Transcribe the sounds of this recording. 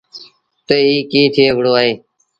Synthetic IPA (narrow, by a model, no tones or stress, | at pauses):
t̪eːiːkĩːt̪ʰeeːʋɽoːaːɦeː